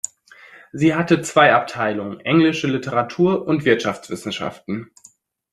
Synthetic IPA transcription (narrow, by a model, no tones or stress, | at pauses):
ziːɦatət͡sv̥aɪʔap̚tʰaɪlʊŋənʔɛŋlɪʃəlɪtʰəʁatʰuːɐʔʊntv̥ɪɐtʃaft͡sv̥ɪsn̩ʃa̰ftn̩